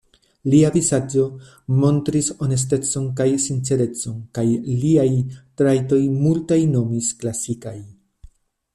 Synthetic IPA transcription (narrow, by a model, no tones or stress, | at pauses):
liavizad͡ʒo̞ | mo̞ntɾiso̞ne̞s̬te̞t͡so̞nkajsint͡se̞ɾe̞t͡so̞nkajliajtɾajto̞jmultajno̞misklasikaj